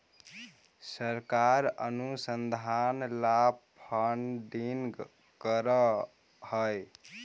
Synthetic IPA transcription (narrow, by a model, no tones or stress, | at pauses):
səɾkaɾə̰nusənd̪ʱanlapʰənɖiŋɡ | kəɾə | həj